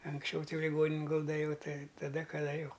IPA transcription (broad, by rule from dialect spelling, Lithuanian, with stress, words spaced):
ɐŋksʲˈt͡ʃʲɛʊ ˈtɐɪ jɛʊ lʲɪˈɡoːnʲɪnʲɪn ˈɡʊlˠdɐ ˈjɛʊ ˈtɐɪ tɐˈdɐ kɐˈdɐ ˈjɛʊ